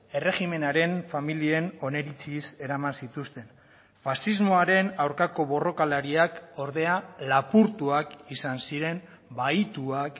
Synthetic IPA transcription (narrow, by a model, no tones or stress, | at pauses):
e̞re̞xime̞naɾe̞nfamilie̞no̞ne̞ɾit͡sise̞ɾamansit̪ust̪e̞n | fasizmo̞aɾe̞nawɾkako̞βo̞ro̞kalaɾiako̞ɾðe̞alapuɾt̪uakisansiɾe̞m | bait̪uak